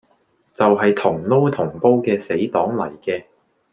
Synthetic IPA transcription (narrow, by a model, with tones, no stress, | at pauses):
t͡sɐ˨wɦɐ˨jt̪ʰʊ˨˩ŋlo˥wt̪ʰʊ˨˩ŋpo˥wkɛː˧se˨˥jt̪ɔː˨˥ŋlɐ̰˨˩jkɛː˧